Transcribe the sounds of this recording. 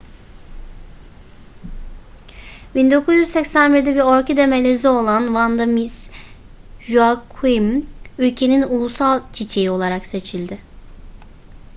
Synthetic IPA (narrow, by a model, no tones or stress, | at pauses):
bind̪o̞kʰuzjyzsɛcsænbiɾd̪ɛbiɾoɾcʰid̪ɛmelʲe̞zio̞lˠanvand̪amis | ʒuakʰimylʲcʰe̞ninulˠusalˠt͡ʃʰit͡ʃʰejio̞lˠaɾakse̞t͡ʃʰilʲd̪ɪ